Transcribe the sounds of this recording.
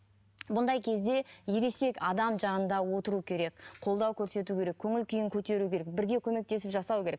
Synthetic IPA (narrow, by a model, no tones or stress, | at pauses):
bʊnd̪ɑjkʲʰe̞zd̪e̞jeɾe̞se̞kɑd̪ɑmʒɑnənd̪ɑwo̞t̪əɾukʲʰe̞ɾe̞kqʰo̞lˠd̪ɑwkʲʰɵɾse̞t̪ukʲe̞ɾe̞kʲʰɵŋɪlkʲʰijɪŋkʲʰɵt̪e̞ɾukʲʰe̞ɾek̚bɪɾɡʲe̞kʲʰɵme̞k̚t̪e̞sɪpʒɑsɑwkʲe̞ɾek̚